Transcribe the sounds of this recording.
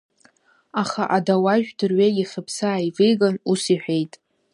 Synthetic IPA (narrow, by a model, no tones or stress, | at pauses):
aχaʔadawaʒᶣdɨrɥeɡʲiχʲəpʰsaːivejɡanusiħʷᶣejtʼ